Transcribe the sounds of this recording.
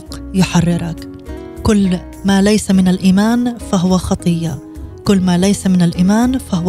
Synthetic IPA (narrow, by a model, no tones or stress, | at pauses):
qjʊħarːɪɾɑk | kʊlː | maːlajsamɪnalʔiːmaːnfaɦʊwaxɑt̪ˤɨjːa | kʊlːmaːlajsamɪnalʔiːmaːnfaɦʊ